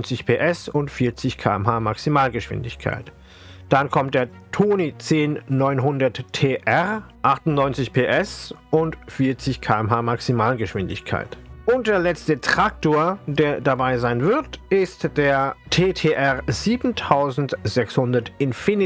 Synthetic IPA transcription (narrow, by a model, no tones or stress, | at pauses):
nt͡sɪçpʰeːʔɛsʊntfiːɐt͡sɪçkʰa̰ːɛmɦaːmaksimaːlɡəʃv̥ɪ̰ndɪçkʰa̰ɪt | d̥ankʰɔmt̚d̥eːɐ | tʰoːnit͡seːnːɔʏnɦʊndɐtʰeːʔɛʁʔaχtʊntnɔʏnt͡sɪçpʰeːʔɛsʔʊntfiːɐt͡sɪçkʰaːɛmɦaːmaksimaːlɡəʃv̥ɪndɪ̰çkʰa̰ɪtʔʊnt̚d̥eːɐlɛt͡stətʁ̥ak̚toːɐdeːɐdabaɪzaɪnvɪɐtʔɪstd̥eːɐtʰeːtʰeːʔɛʁziːbn̩tʰaʊzn̩tz̥ɛkshʊndɐtɪnfɪnɪ